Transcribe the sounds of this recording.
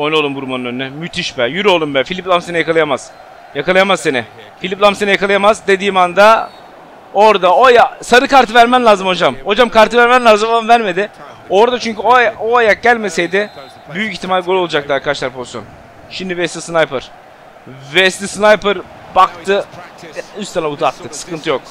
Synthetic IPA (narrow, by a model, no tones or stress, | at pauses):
ojnuolˠumbuɾmanɯnønnɛmyt̪ʰiʃbɛjyɾo̞lˠumbɛfilʲiplˠamsenɛjakʰalˠɯjamaz̥ | jakalˠɯjamazsenɛ | filʲiplˠamsenɛjakalˠɯjamazd̪e̞d̪iːmand̪a | oɾd̪aojasaɾɯkʰaɾt̪ɯvæɾmænlʲaːzɯmho̞d͡ʒamho̞d͡ʒamkʰaɾt̪ɯvæɾmænlʲaːzɯmˠanvæɾme̞d̪ɪ | o̞ɾd̪at͡ʃʰyɲcyooajak̚ɟælʲme̞se̞jd̪ɪ | byjyciçt̪ʰːimalʲɡo̞lʲˠolˠad͡ʒak̚d̪aɾkʰad̪aʃlˠaɾpʰozisjon | ʃimd̪ivɛst̪ʲisnajpɯɾ̥ | vɛst̪ʲisnajpɯɾ | bakt̪ʰɯ | yst̪anauzat̪ːɯksɯ̥kʰɯnt̪ɯjok̚